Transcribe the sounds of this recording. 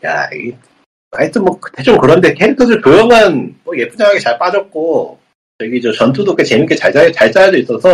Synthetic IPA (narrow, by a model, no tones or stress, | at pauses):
ja̰ḭ | aɲit͈ʰɯnmwʌkɯ̥t͈e̞t͡ɕ͈omkɯɾʌnndekʰeɾitʰʌdɯɭpjojʌmanmʌje̞pʰud͡ʑaŋaɡet͡ɕaɭp͈ad͡ʑʌk̚k͈o | t͡ɕʌɡit͡ɕʌt͡ɕʌntʰudok͈et͡ɕemink͈ʰet͡ɕat͡ɕat͡ɕaɭt͡ɕ͈ajad͡ʑois͈ʌsʰʌ